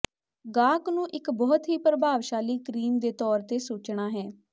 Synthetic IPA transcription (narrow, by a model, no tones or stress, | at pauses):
ɡaːknũːʔɪkbɔːt̪ɦiːpɾəbʱaːʋʃaːliːkɾiːmd̪eːt̪ɔːɾt̪eːsuːt͡ʃɳaːɦɛː